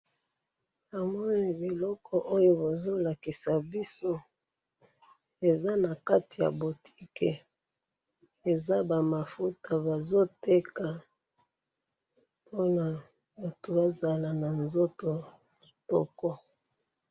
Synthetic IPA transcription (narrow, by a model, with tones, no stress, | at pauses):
a˨mɔ˦ni˨bi˨lɔ˦kʰɔ˨ʔo˦jo˦bo˨zo˦la˨ki˨sa˨bi˦so˦ | e˨za˦na˨ka˦ti˨ja̰˨bo˨tʰi̥˦kḛ˨ | e˨za˦ba˨ma˨fu˦ta˨ba˨zo˦te˦ka˨ | po˦na˨ | ba˨to˨ba˦za˨la˨na˨nzo˦to˨ | tɔ̰˦kɔ˦